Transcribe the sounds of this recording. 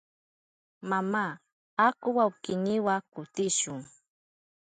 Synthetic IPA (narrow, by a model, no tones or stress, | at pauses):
mamaː | akʊwawkɪɲɪwakʊt̪ɪʃʊŋ